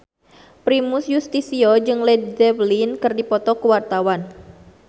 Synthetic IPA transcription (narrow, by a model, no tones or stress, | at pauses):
pɾimusjust̪isiɔd͡ʒɨŋlɛddɛblinkɨrdipɔt̪ɔkəwart̪awan